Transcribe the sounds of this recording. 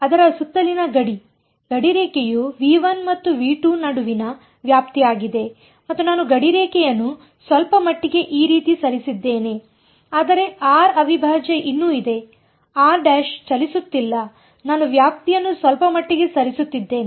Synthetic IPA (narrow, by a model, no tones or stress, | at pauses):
ɐd̪ɐɾɐsut̪ːɐlinɐɡɐɽi | ɡ̥ɐɽiɾeːkejuʋiːʋɐnmɐt̪ːuʋiːʈuːnɐɽuʋinɐ | ʋjaːpt̪ijaːɡid̪e̞ | mɐt̪ːunaːnuɡɐɽiɾɛːkɛjɐnːu | sʋɐlpɐmɐʈːiɡe̞ʔiːɾiːt̪isɐɾisid̪ːe̞ːne̞ | aːd̪ɐɾe̞aːɾɐʋibʱaːd͡ʒɐʔinːuːid̪e̞ | aːɾɖaːʃt͡ʃɐlisut̪ːilːɐ | naːnuʋjaːp̚t̪ijɐnːusʋɐlpɐmɐʈːiɡe̞sɐɾisut̪ːid̪ːe̞ːne